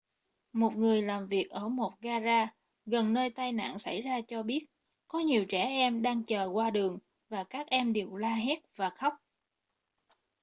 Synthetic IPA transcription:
mo˨˩t̚ŋɨ˨˩əjlaː˨˩mvi˨˩ək̚ʔəː˧˩mo˨˩t̚ɣaː˧zaː˧ | ɣə˨˩nːəː˧jt̪aː˧jna̰ː˧˨nsa̰˧˩jzaː˧t͡ɕɔ˧ɓi˦˥ət̚ | kɔ˨˦ɲi˨˩əwt͡ɕɛ˧˩ʔɛ˧mɗaː˧ŋt͡ɕəː˨˩kwaː˧ɗɨ˨˩əŋ | vaː˨˩kaː˦˥k̚ʔɛ˧mɗe˨˩wlaː˧ɦɛ˦˥t̚vaː˨˩xə˦˥wk͡p̚

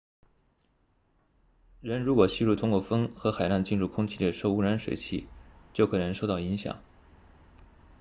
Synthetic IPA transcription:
ɻə˧˥nɻu˧˥kwɔ˨˩ɕi˥˧ɻu˥˩t̪ʰʊ˥ŋkwɔ˥˩fə˥ŋxɤ˧˥xa˨˩ɪla˥˧nt͡ɕi˥˧nɻu˥˩kʰʊ˥ŋt͡ɕʰi˥˩ljʂo˥˩ʊu˥ɻa˧˥nʂwḛ˨˩ɪt͡ɕʰḭ˥˩t͡ɕjo˥˩ʊkʰɤ˨˩nɤ˧˥ŋʂo˥˧ʊt̪ɑ˥˩ʊi˧˥ŋɕjɑ̰˨˩˦ŋ

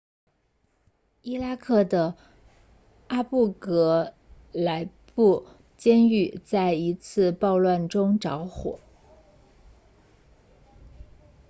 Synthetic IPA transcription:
i˥la˥kʰɤ˥˩d̪ə˩ | a˥pu˥˩kɤ˧˥ | la˧˥ɪpu˥˩ | t͡ɕjɛ˥ny˥˩t͡sa˥˩ɪi˧˥t͡sʰɹ̩˥˧pɑ˥˧ʊlwa˥˩nʈ͡ʂʊ˥ŋʈ͡ʂɑ˧˥ʊxwɔ̰˨˩˦

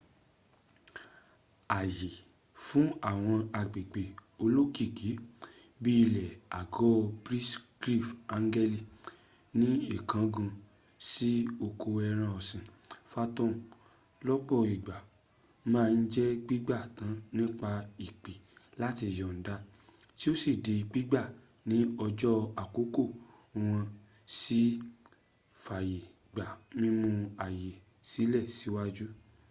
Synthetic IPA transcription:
a˨je˨ | fũ˨˦a˦˨w̃ɔ̃˧a˧˨ɡ͡be˨ɡ͡be˨o˧lo˦ki˦˨kʰi˨˦bi˦i˧lɛ˨a˨ɡɔ˦bɾi˦sɡɾi˦˨fa˧˦ŋ˦ɡɛ˦li˨ | nĩ˦i˦˨kã˨˦ɡã˧ | si˦o˧ko˧ɛ˧ɾ̃ã˧ɔ˨sĩ˨fa˧tɔ̃˦˨ | lɔ˦k͡pɔ˦˨i˨ɡ͡ba˨ | mãː˦˧n̩˦d͡ʒɛ˦˧ɡ͡bi˦ɡ͡ba˦˨tã˨˦nĩ˦k͡pa˧i˨k͡pi˨la˦ti˧˨jɔ˨n̩˨da˨˦ | ti˦o˦si˦˨de˧i˧k͡pi˦ɡ͡ba˦˨ | nĩ˨˦ɔ˧d͡ʒɔ˦a˨ko˨˦ko˦˨˧ | w̃ã˧ | si˦ | fa˨je˨ | ɡ͡ba˨mĩ˦mũ˧a˨je˨ | si˨˦lɛ˦˨si˨˦wa˦d͡ʒu˦

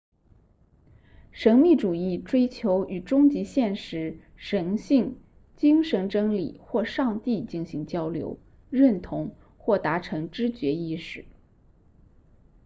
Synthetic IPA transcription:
ʂɤ˧˥ŋmi˥˩ʈ͡ʂu˨˩i˥˩ʈ͡ʂwe˥ɪt͡ɕʰjo˧˥ʊy˨˩ʈ͡ʂʊ˥ŋt͡ɕi˧˥ɕjɛ˥˩nʂɻ̩˧˥ | ʂɤ˧˥ŋɕi˥˩ŋ | t͡ɕi˥ŋʂɤ˧˥ŋʈ͡ʂɤ˥ŋlḭ˨˩xwɔ˥˧ʂɑ˥˧ŋt̪i˥˧t͡ɕi˥˩nɕi˧˥ŋt͡ɕjɑ˥ʊljo̰˧˥ʊ | ɻə˥˩nt̪ʰʊ˧˥ŋ | xwɔ˥˩t̪a˧˥ʈ͡ʂʰɤ˧˥ŋʈ͡ʂɻ̩˥t͡ɕɥɛ˧˥i˥˧ʂɻ̩˥˩˦

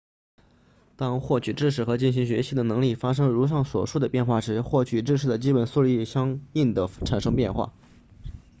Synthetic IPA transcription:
t̪ɑ˥ŋxwɔ˥˩t͡ɕʰy˨˩ʈ͡ʂɻ̩˥˩ʂ̬ɻ̩˨˩xɤ˧˥t͡ɕi˥˩nɕ̬i˧˥ŋɕɥɛ˧˥ɕi˧˥d̪ə˨nɤ˧˥ŋli˥˩fa˥ʂ̬ɤ˥ŋɻu˧˥ʂ̬ɑ˥˩ŋswɔ̰˨˩ʂu˥˩d̪ə˩pjɛ˥˧nxwa˥˩ʂɻ̩˧˥xwɔ˥˩t͡ɕʰy˨˩ʈ͡ʂɻ̩˥˧ʂɻ̩˥˩d̪ə˩t͡ɕi˥pə˧˥nsu˥li˥˩˨ɕjɑ˥ŋi˥˩nd̪ə˩ʈ͡ʂʰa˨˩nʂɤ˥ŋpjɛ˥˧nxwa̰˥˩

